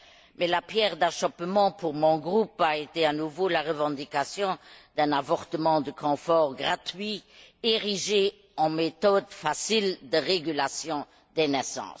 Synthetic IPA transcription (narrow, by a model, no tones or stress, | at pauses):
mɛlapjɛʁd̪aʃɔpmɑ̃puʁmɔ̃ɡʁupaet̪eanuvolaʁəvɑ̃d̪ikasjɔ̃d̪̥ɛ̃navɔʁt̪əmɑ̃d̪əkʰɔ̃fɔːʁɡʁat̪ɥieʁiʒe | ɑ̃met̪ɔd̪fasild̪əʁeɡylasjɔ̃ | d̪̥enɛsɑ̰̃ːs